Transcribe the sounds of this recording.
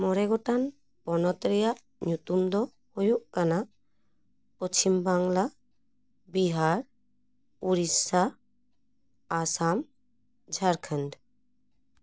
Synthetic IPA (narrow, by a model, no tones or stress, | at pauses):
mɔɾɛɡɔʈan | pɔnɔt̪ɾɛjaʔ | ɲut̪umd̪ɔ | hojuʔkana | pot͡ʃimbaŋla | biɦaɾ | uɾisa | sam | d͡ʒʱaɾkʰənd